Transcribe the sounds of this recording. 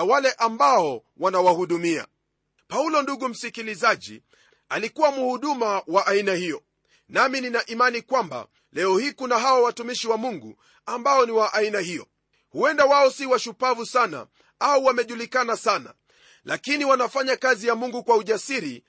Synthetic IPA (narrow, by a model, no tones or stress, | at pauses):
walɛʔambaɔ | wanawahuɗumia̰ | paulɔnduɠum̩sikilizaʄḭ | alikuwamuhuɗumawaʔainahijɔ | namininaʔimanikwamba̰ | lɛɔhikunaɦawawatumiʃiwamuŋɡṵ | ambaɔniwaʔainahijɔ̰ | huɛndawaɔsiwaʃupavusana̰ | auwamɛʄulikanasana̰ | lʔakiniwanafaɲakazijamuŋɡukwauʄasiɾi